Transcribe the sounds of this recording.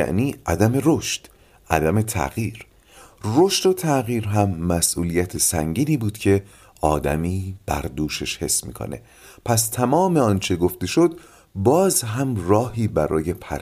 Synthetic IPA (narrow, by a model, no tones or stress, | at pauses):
æ̰ʔniːʔæd̪æme̞ɾoʃt̪ | ʔæ̰d̪æme̞t̪ʰæ̰ɣiːɾ | roʃt̪o̞t̪ʰæɣiːɾɦæmːæsʔuːlijæt̪ʰesæɲɟiːniːbuːd̪̥cʰe̞ | ʔɒːd̪æ̰miːb̥æ̰ɾd̪uːʃe̞ʃhe̞sːmḭːkʰo̰ne̞̰ | pʰæst̪ʰæmɒːme̞ɒːnt͡ʃʰe̞ɡo̞ft̪e̞ʃo̞d̪ | bɒːzɦæmrɒːhiːbæɾɒ̰ːje̞pʰæɾ